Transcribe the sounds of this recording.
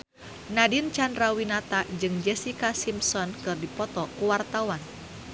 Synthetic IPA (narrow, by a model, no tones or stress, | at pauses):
nadint͡ʃandɾawinat̪ad͡ʒɨŋd͡ʒɛsikasimsɔnkɨrdipɔt̪ɔkuwart̪awan